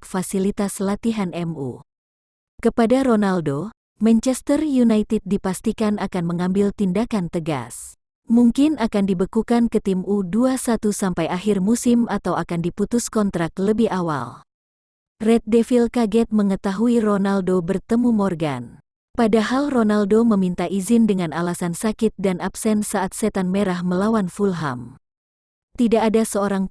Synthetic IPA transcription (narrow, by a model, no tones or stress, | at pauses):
fasilit̪aslat̪iɦanɛmṵ | kəpadaɾonaldo | mant͡ʃɛst̪ərjunajt̪it̪̚dipast̪ikanakanməŋambɪlt̪indakant̪əɡa̰s | muŋkɪnakandibəkukankət̪imuduasat̪usampajʔahɪrmusɪmʔat̪awakandiput̪ʊskɔnt̪ɾak̚t̪ləbɪhawa̰l | rɛt̪̚dɛfilkaɡɛt̪̚məŋət̪aɦuironaldobərt̪əmumɔrɡa̰n | padaɦalronaldoməmint̪aʔizɪndəŋanalasansakɪt̪̚danapsɛnsaʔːt̪̚sɛt̪anmeɾahməlawanfulɦa̰m | t̪idaʔːdasəoɾaŋ